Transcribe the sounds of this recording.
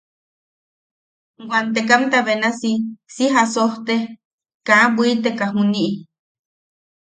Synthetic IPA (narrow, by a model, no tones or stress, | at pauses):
ɡʷant̪ek̬amt̪aβenasisiɦasoht̪e | kaʔabuit̪ekaɦuniʔi